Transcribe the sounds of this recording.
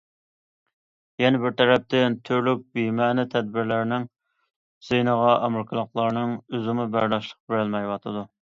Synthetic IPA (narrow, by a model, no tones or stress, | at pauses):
jɛnɛbɪɾt̪ʰɛɾɛp̚t̪ʰɪnt̪ʰyɾlyk̚ʲbimɛːnɪt̪ʰɛd̪̚bɪɾlæɾnɪŋ | z̥enəʁɑʔɛmɾkʰɨlˠəqlˠɑɾnɨŋyzɪmɨbæɾd̪ɑʃlˠə̥q̚beɾɪlmɛjwɑt̪ʰɨd̪u